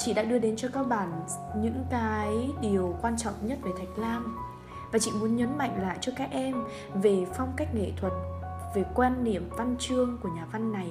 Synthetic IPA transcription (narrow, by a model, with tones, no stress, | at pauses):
t͡ɕḭ˧˨ɗa̰ː˧˥ɗɨ˧əɗe˨˦nt͡ɕɔ˧kaː˧k̚ɓaː˧˩n | ɲɨ̰˧˥ŋkaː˨˦jɗi˨˩əwkwaː˧nt͡ɕɔ̰˧˨wŋ͡mɲə˦˥t̚ve˨˩t̪ʰa˨˩jk̟̚laː˧m | vaː˨˩t͡ɕḭ˧˨mu˨˦ənɲə˨˦nma̰˧˨jŋ̟la̰ː˧˨jt͡ɕɔ˧kaː˦˥k̚ʔɛ˧m | ve˨˩fɔ˧wŋ͡mka˦˥jk̟̚ŋḛ˧˨t̪ʰwə˨˩t̚ | ve˨˩kwaː˧nːḭ˧˨əmva˧nt͡ɕɨ˧əŋku˧˩əɲaː˨˩va˧nːa˨˩j